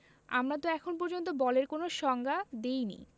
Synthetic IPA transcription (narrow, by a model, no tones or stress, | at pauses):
a̰mɾat̪oɛkʰonp̬ɔɾd͡ʑont̪̬obɔleɾkonoʃɔŋɡʱad̪ejnḭ